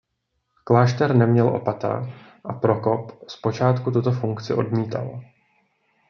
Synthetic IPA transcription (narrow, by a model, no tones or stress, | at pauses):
klaːʃt̪ɛɾnɛmɲɛlʔo̞̰pat̪a̰ | ʔapɾo̞ko̞pspo̞t͡ʃaːt̪kut̪ut̪o̞fuŋkt͡sɪʔo̞̰dmiːt̪a̰l